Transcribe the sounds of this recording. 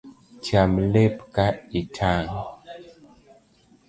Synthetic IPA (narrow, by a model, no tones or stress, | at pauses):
t͡ʃamlepkaitʰaŋ